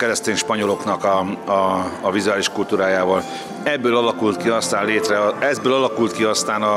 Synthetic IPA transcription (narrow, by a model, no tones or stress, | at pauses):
kɛɾɛst̪eːnʃpɒɲo̞lo̞knɒkɒɒːvizuaːliʃkult̪uːɾaːjaːvɒl | ɛbːøːlɒlɒkult̪kiɒst̪aːnleːt̪rɛɒɛzbøːlɒlɒkult̪kiɒst̪aːnɒ